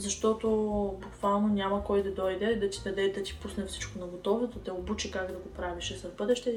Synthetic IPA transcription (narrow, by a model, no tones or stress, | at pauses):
zɐʃt̪ɔt̪obukvalˠnonʲamɐkɔjd̪ɐd̪ɔjd̪ɛd̪ɐt̪i̥d̪ɐd̪ɛd̪ɐt̪i̥pusnɛfsi̥t͡ʃkonɐɡot̪ɔvt̪ot̪ɛobut͡ʃikaɡd̪ɐɡopɾaviʃɛzɐvbɤd̪ɛʃt̪ɛ